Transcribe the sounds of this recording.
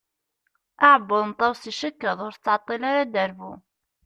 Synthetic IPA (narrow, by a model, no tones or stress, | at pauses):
ʔaʕbːʊðˤnt̪ˤːɑwsiʃəkːəðˤʊɾt͡sːʕɑt̪ˤːilaɾad̪əɾbṵ